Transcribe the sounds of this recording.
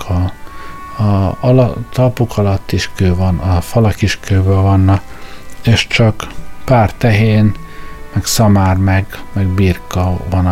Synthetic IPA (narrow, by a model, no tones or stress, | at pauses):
kʰɒ | ɒlt̪ʰːɒpokʰɒlɒt̪ːiʃkøːvɒnʔɒfɒlɒkiʃkøːbøːlvɒnːɒ | eːʃt͡ʃɒkpaːrt̪ɛɦeːn | mɛksɒmaːrmɛɡmɛɡbiːrkɒvɒn